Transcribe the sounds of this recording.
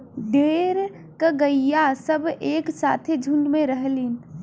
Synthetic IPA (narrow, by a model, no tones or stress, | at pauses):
ɖeːɾ | kəɡəijasəbʱeːksaːt̪ʰed͡ʒʱuɳɖmẽɾəɦlin